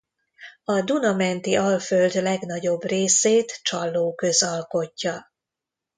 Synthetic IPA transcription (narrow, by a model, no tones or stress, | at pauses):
ɒd̪unɒmɛnt̪iɒlføld̪lɛɡn̪ɒɟo̞breːseːt̪t͡ʃɒlːoːkø̞zɒlko̞cːɒ